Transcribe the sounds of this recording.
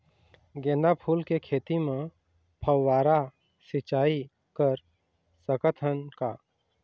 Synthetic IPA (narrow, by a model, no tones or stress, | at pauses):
ɡẽːnd̪apʰuːlkekʰeːt̪imẽ | pʰəwːaːɾa | sɪt͡ʃaːi | kəɾ | səkət̪ʰənka